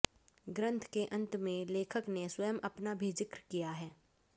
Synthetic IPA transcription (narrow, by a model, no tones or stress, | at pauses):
ɡɾə̃nt̪ʰkeʔɐ̃nt̪mẽleːkʰəkneswɐjəmʔɐpnabʱiːd͡ʒɪkɾkijaɦɛː